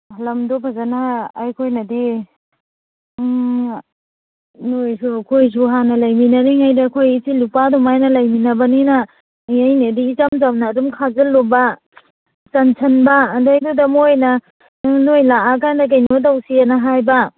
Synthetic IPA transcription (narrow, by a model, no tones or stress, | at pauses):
hlɐmdopʰazanaːjkʰojnɐdi | nojsukʰojs̬uɦanɐlɐjminɐɾiŋajdakʰojitilupadumajnɐlɐjminɐbɐninɐ | jajniɐdiːt͡ʃamzamnɐːdumkʰazɐlːubɐ | sɐnsʰɐnbɐːdajdudɐmojnɐ | nojlaakʰajndɐk̬ajnot̬awsianɐɦajbɐ